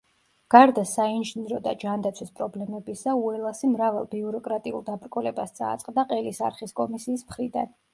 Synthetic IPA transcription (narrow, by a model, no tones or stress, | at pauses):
ɡ̥aɾd̪asainʒiniɾɔd̪a̰d͡ʒand̪at̪sʰwispʼɾɔblɛmɛbisauɛlˠasimɾavalˠbiuɾɔkʼɾat̪ʼiṵlˠd̪abɾkʼɔlɛbast̪sʼa̰ːt̪sʼqʼd̪aqʼɛlisa̰ɾχiskʼɔmisiːsmχɾid̪a̰n